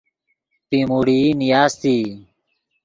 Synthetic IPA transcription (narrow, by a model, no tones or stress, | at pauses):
pimuːɽiːnijaːst̪iː